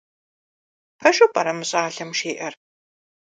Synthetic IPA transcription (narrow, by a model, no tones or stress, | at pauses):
pʰɐʃʼowpʼɐɾɐmɨɕʼaːɬɐmʃeːʔɐr